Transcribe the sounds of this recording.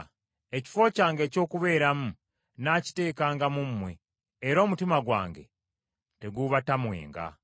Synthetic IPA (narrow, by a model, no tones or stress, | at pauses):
e̞ci̥fo̞caːŋɡe̞ːco̞ːkuβe̞ːɾamu | naːci̥te̞ːkaːŋɡamumːwe̞ː | ɾo̞ːmutimaɡwa̰ːŋɡe̞̰ | te̞ɡuβatamwe̞̰ːŋɡa̰